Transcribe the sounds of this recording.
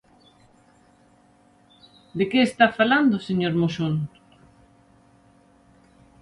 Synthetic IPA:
d̪ekeːst̪afaland̪oseɲoɾmoʃon

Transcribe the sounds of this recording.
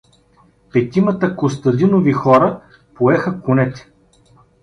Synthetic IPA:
pɛt̪imət̪əkost̪ɐd̪inovixɔɾə | poɛxəkʊnɛt̪ɛ̥

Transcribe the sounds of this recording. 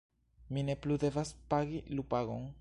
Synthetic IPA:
mine̞plude̞vaspaɡilupaɡo̞n

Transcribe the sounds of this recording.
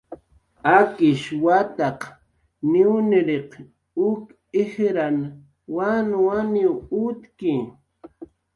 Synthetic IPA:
akɪʃwat̪aq | nɪwnɪɾeq | ʊk | ɪhɾan | wanwaniwʊt̪kɪ

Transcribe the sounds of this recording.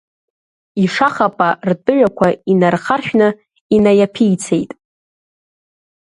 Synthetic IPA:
iʂaχapʼartʼɨʕʷᶣakʷʰainarχarʃᶣnɨ | inajapʰijt͡sʰejtʼ

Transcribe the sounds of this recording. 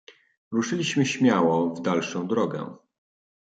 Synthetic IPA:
ɾuʂɘlʲiɕmɘɕmʲjawɔvd̪alʂɔ̃w̃d̪ɾɔɡɛ̰

